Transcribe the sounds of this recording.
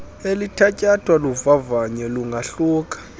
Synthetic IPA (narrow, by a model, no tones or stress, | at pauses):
elitʰacʼatʰʼwaluvavaɲɛluŋɡʱaɬuːkʼḁ